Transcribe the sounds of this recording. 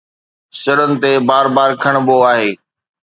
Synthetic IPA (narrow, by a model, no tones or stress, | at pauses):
sɪɾənɪ̆t̪ebaːɾbaːɾkʰəɽ̃boaːɦeː